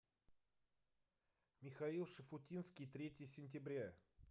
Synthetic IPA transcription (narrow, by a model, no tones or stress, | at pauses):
mʲɪxɐilˠʂəfʊtʲinskʲɪjt̪ɾʲetʲɪjəsʲɪnʲt̬ʲɪbɾʲa